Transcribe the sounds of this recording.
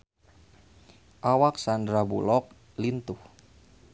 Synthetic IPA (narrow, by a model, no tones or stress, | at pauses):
ʔawak̚sandɾabulɔk̚ | lint̪uh